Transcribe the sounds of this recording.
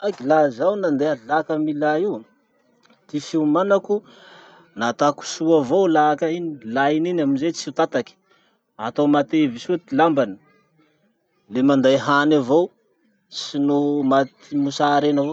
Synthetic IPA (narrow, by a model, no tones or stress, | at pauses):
akilazawnand̪ealakamilaiw | t̪ifiumanaku | nat̪aku̥suavowlakainilaininaminzet͡sit̪at̪aki̥ | at̪owmat̪evisuet̪ilambani̥ | lemand̪ajɦanavow | sinumat̪imusaɾenavo